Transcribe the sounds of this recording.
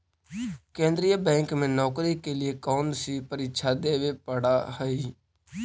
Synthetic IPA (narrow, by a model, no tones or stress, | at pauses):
kẽːnd̪ɾijabɛ̃ːŋkmẽːnɔːkɾiːkeːlɪeːkoːnsiːpəɾɪkʃʰaːd̪eːʋeːpəɽaːhəiː